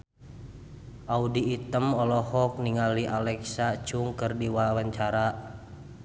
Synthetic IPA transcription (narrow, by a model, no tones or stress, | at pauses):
ʔaudiːt̪əmɔlɔhɔk̚niŋaliʔalɛksat͡ʃuŋkərdiwawaɲt͡ʃaɾa